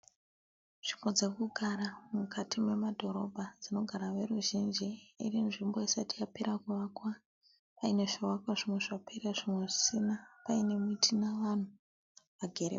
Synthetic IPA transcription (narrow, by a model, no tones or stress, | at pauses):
ʐ̥imbo̞d͡zekuɡʱaɾamukʰatimwe̞madʱo̞ɾo̞bʱad͡zino̞ɡʱaɾaʋe̞ruʒind͡ʒiḭrinʐimboisatijape̞ɾakuʋaːkwa | paine̞ʐiwakwaʐimwe̞ʐape̞ɾeʐimwe̞ʐisinapaine̞muitʰinaʋan̤u | ʋaɡʱe̞ɾḛ